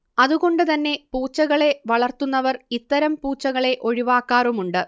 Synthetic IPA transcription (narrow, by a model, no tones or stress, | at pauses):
ɐðuɣo̞ɳɖɨt̪ɐnːe̞puːt͡ɕːɐɣɐɭe̞ʋɐɭɐrt̪unːɐʋɐrit̪ːɐɾɐmpuːt͡ɕːɐɣɐɭe̞ʔo̞ɻiʋaːkːaːrumuɳɖɨ